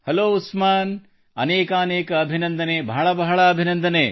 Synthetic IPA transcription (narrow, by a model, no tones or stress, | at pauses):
hɐloːusmaːn | ɐneːkaneːkɐːbʱinɐnd̪ɐneːbʱɐɦɐɭɐbɐɦɐɭɐːbʱinɐnd̪ɐneː